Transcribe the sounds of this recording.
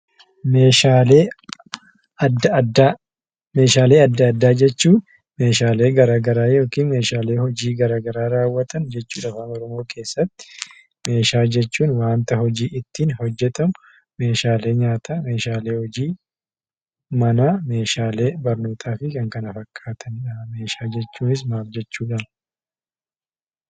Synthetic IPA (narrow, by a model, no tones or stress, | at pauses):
meːʃaːleː | ɐd̪ɐd̪a | me̞ːʃaːle̞ːɐd̪ːɐːd̪ːaːd͡ʒɛt͡ʃːuːn | me̞ːʃaːle̞ːɡɐɾaːɡɐɾaːjo̞ːkiːnme̞ːʃaːle̞ːhɔd͡ʒiːɡɐɾaːɡɐɾaːɾaːwːɐt̪ʰɐnd͡ʒɛt͡ʃːuːᶑɐfaːmɔɾʊmoːkʰe̞ːsːɐt̪ːɪ̥ | me̞ːʃaːd͡ʒɛt͡ʃːuːnwaːnt̪ɐɦɔd͡ʒiːʔɪt̪ːiːnhɔd͡ʒːɛt̪ɐmʊ | me̞ːʃaːle̞ːɲaːt̪ʰaːme̞ːʃaːle̞ːhɔd͡ʒiː | mɐnaːme̞ːʃaːle̞ːbɐɾnoːt̪ʰaːfɪkɐŋkɐnɐfɐkʰːaːt̪ʰɐnɐme̞ːʃaːd͡ʒɛt͡ʃːuːnɪs̬maːld͡ʒɛt͡ʃːuːᶑɐn